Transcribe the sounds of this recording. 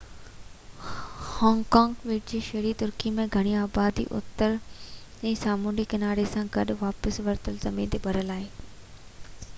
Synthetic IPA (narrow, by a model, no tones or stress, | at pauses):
hɔ̃ːŋɡkãːŋɡʋeːʈd͡ʑiːʃɐɦɾit̪ʊɾkimẽɡʱɐɽ̃iaːbaːd̪ḭʔʊ̰t̪ːəɾ | ɛ̃ːsaːmuːnikɐnaːɾesãɡɐɗʋaːpəsʋɐɾt̪əlzɐmĩnt̪ebʱɐɾəlaːɦeː